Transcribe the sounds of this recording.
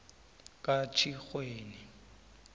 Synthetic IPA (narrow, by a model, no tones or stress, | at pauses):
kʼat͡ʃʰiχweːni